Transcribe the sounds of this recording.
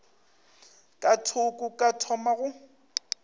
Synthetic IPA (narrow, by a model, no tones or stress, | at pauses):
kʼatʰʊkʼʊkʼatʰɔmaɣʊ